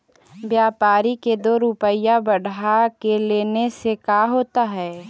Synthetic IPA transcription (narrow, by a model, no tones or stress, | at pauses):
bjaːpaːɾiked̪oːɾupəjabəɽ̤akeleːnesekaɦoːt̪aɦɛː